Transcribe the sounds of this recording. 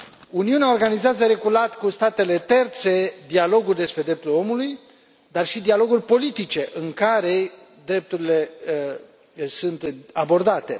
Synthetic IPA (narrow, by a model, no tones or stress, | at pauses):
uniuneao̞rɡanizazəɾe̞ɡulat̪kust̪at̪e̞le̞t̪e̞rt̪se̞d̪ialo̞ɡurʲd̪e̞spɾed̪ɾe̞p̚t̪ulo̞muluj | d̪arʃid̪ialo̞ɡurʲpo̞lit̪it͡ʃe̞ʔɨŋkaɾe̞ | d̪ɾe̞p̚t̪uɾile̞ | sunt̪abo̞rd̪at̪e̞